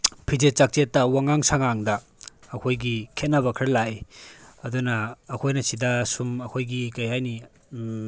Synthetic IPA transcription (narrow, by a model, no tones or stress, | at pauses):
pʰid͡ʒet͡ʃak̚t͡ʃetːɐwaŋaŋsaŋaŋdɐː | kʰojɡikʰet̚nɐβɐkʰaɾlajɐdunɐːkʰojnɐsidɐsumɐkʰojɡikajajni